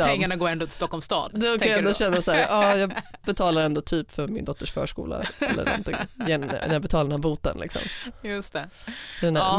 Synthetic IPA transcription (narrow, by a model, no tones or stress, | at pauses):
ɛŋːaɳaɡoːɾɛnd̪ɔt̪ɪ̥st̪ɔkːɔlmst̪ɑ̰ːd̪d̪ɔkajaɛnd̪ɔɕɛnːasæːɾɑːjɑːɡbɛt̪ʰɑːlaɾɛnd̪ɔt̪ʰyːpfœɾmɪ̰nd̪ɔt̪ːəʂfœ̰ːʂkṵːla̰ɛlːə̰nɔ̰nt̪ɪŋjɛnnæɾjɑɡbɛt̪ʰɑːlaɾambuːt̪d̪ə̰nlɪ̰ksɔ̰mjɵst̪ɛ | d̪ɛnæ